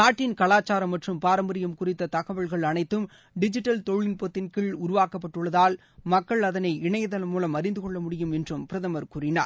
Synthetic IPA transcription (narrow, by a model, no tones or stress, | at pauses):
naːʈːɪnkɐɭaːt͡ʃːaːɾɐmːɐʈrɯmpaːɾɐmbɐɾɪjɐmkʊrɪt̪ːɐt̪ɐɣɐʋɐɭɣɐɭɐnɐɪt̪ːɯm | ɖɪd͡ʒɪʈːɐlt̪ɔɻɭːɪnpɔt̪ːɪnkɪlʊɾʊʋaːkɐpːɐʈːɯɭːɐðaːl | mɐkːɐɭɐðɐnɐɪɪɳɐjɐðɐlmuːlɐmɐɾɪnd̪ɯkɔɭːɐmʊɽɪjɯmɛndrɯmpɪɾɐðɐmɐɾkuːrɪna̰ːɾ